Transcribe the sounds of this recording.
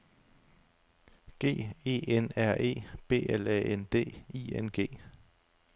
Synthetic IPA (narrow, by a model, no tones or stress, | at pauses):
ɡ̥e̝̰ːe̝̰ːenæɐ̰e̝̰ːb̥e̝̰ːelɛ̰end̥e̝̰ːiːenɡ̥e̝̰ː